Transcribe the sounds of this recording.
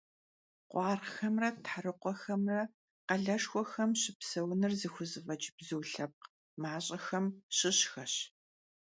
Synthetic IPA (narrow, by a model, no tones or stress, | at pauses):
qʷɑːrxɐmrɐtħarɨqʷɔxɐmrɐ | qɐɮɐʂxʷɔxɐmɕɪpsɐwnɨrzɨxʷʊzɨfɐt͡ʃʼbzɨwɬɐp̚q | maːɕʼɐxɐmɕɪɕxɐɕ